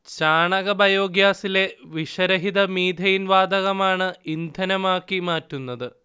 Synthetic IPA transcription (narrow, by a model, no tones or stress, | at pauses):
t͡ɕaːɳɐɣɐbɐjo̞ːɡjaːsile̞ʋiʂɐɾɐɦiðɐmiːd̪ʱɐjinʋaːd̪ɐɣɐmaːɳɨind̪ʱɐnɐmaːkːimaːtːunːɐðɨ